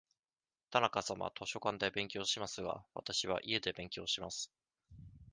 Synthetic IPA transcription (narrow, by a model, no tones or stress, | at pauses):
t̪anakasama̰t̪o̞ɕo̞kãnd̪e̞bẽ̞ŋkʲo̞ːɕimasɨɡa̰βa̰t̪aɕiβ̞a̰ʔie̞d̪e̞bẽ̞ŋkʲo̞ːɕimasɨ̥